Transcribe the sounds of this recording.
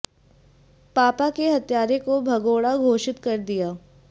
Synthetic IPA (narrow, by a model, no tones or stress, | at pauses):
paːpakeɦɐt̪jaːɾekobʱɐɡoːɽaɡʱoːʃɪt̪kɐɾd̪ijaː